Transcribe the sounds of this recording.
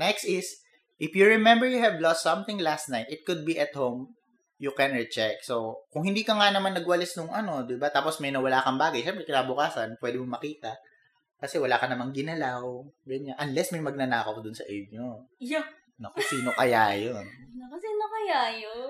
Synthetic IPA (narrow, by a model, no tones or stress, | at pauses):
nɛkst̪ɪs | ʔɪfjʊɹɪmɛ̃mbɛɹjʊhɛvlɔst̪ːsɐ̃mθɪ̃ŋlast̪najt̪ɪt̪̚kʊd̪̚biʔɐt̪̚howm | jʊkɛnɹɛt͡ʃɛk̚sowkʊŋhɪ̃nd̪iːkɐŋanɐmanːɐɡwɐlɪsnʊŋʔɐno̞d̪ɪbat̪aːposmɐjnɐwɐlaːkɐŋbaːɡɐjʃɛmpɾɛkɪnaːbʊkaːsɐnpwɛd̪ɪmomɐkiːt̪ɐ | kɐsɛwɐlaːkɐnɐmaŋɡɪnɐlawɡɐnɲanʔɐnlɛsmɐjmɐɡ̚nɐnaːkɐwd̪ʊnsɐ̰ʔɛd͡ʒ̚ɲoː | okɐsiːnokɐjajonnɐkɐsiːnokɐjajo